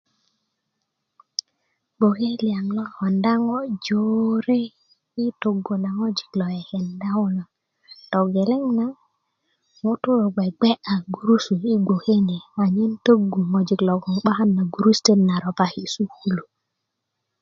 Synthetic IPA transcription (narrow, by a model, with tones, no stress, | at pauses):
ɡo˨ke˦li˨a˨ŋlɔ˦hɔ˨nda˦ŋɔ˦d͡ʒo˨˦ɾe˦ | i˦to˨ɡo˨na˨ŋo˦d͡ʒi̥˨klɔ˨e˨he˨nda˦wu˦la˨ | tɔ˨ɡe˨le˦ŋna˦ | ŋu˦tu˦ɾo˨ɡ͡be˨ɡ͡be˦a˨ɡu˦ɾu˦su˨i˦ɡo˨he˦ne˨a˨ɲi˦nto˦ɡu˨ŋo˨d͡ʒi˨klɔ˨ɡɔ˨ŋk͡pa˦ha˦nːa˨ɡu˨ɾu˦ste˦na˨ɾɔ˨pa˨hi˨su˦hu˦lu˨